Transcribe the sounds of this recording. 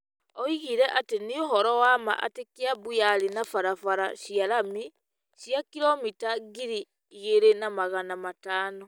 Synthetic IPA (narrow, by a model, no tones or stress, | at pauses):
ɔiɣiɾɛʔatenioɦɔɾɔwama̰ʔa̰tekeaβujaɾinafaɾafaɾa̰ɕiaɾami | ʃjakiɾɔmitaɡiɾiː | ɣeɾenamaɣanamataːnɔ